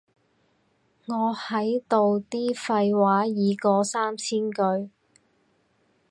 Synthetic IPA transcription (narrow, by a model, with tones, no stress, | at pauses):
ŋɔː˨˧hɐ˨˥jt̪o˨wt̪iː˥fɐ˧jwaː˨˥jiː˨˧kɔː˧saː˥mt͡sʰiː˥nkɵ˧ɥ